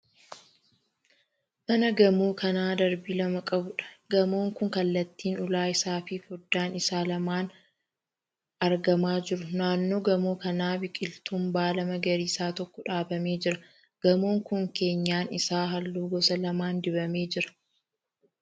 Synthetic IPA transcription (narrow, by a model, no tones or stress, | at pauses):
mɐnɐɡɐmoːkʰɐnaːd̪ɐɾbiːlɐmɐkʼɐbʊᶑɐ̥ɡɐmo̞ːŋkʊŋkɐlːɐt̪ːiːnʊlaːɪsaːfɪfɔd̪ːaːnɪsaːlɐmaːn | ɐɾɡɐmaːd͡ʒɪɾʊnaːnːo̞ːɡɐmoːkɐnaːbɪkʼɪlt̪ʊmbaːlɐmɐɡɐɾiːsaːt̪ɔkːɔᶑaːbɐmeːd͡ʒɪɾɐ | ɡ̥ɐmo̞ːŋkʊŋke̞ːɲːaːnɪsaːɦɐlːuːɡɔsɐlɐmaːnd̪ɪbɐme̞ːd͡ʒɪɾɐ̥